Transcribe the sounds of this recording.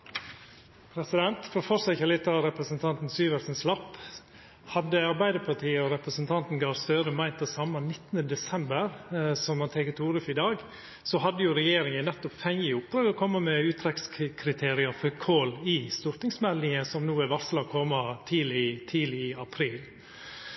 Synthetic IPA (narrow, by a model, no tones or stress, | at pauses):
pʰɾɛsɪd̪ɛnt̪fɔɾfɔɾsɛçəɾlɪt̪ːɑɾɛpɾəsənt̪ʰɑnt̪n̩syːʋəlsənslɑpː | hɑd̪ːəɑɾbæɪd̪əpʰɑʈʰiːəɔɾɛpɾəsnt̪ʰɑnt̪n̩ɡɑːɾst̪øːɾəmæɪnt̪d̪ɛsɑmːɑnɪt̪ːənəd̪ɛsɛmbəɾsɔmmɑnt̪ʰɛkət̪ʰuːɾʉfɪd̪ɑːɡ | sɔɦɑd̪ːəjʊɾɛjeːɾɪŋənɛt̪ːɔpfɛŋəʊp̚d̪ɾɑːɡɔkʰɔmːəmɛʉːt̪ʰɾɛkskʰɾɪt̪ʰeːɾɪɑɾfɔɾkʰoːlɪst̪ʊɾt̪nɪŋsmɛlnɪŋəsɔmnuːæʋɑslɑkʰɔmɑt̪ʰiːlɪt̪ʰiːlɪɪɑpʰɾiːl